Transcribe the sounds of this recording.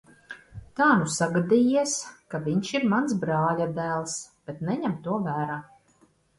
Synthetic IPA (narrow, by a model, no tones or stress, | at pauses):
t̪aːnusaɡad̪ijiɛskavʲiɲʃiɾmansbɾaːlʲad̪æːlˠsb̥ɛt̪nɛɲɛmt̪uɔvæːɾaː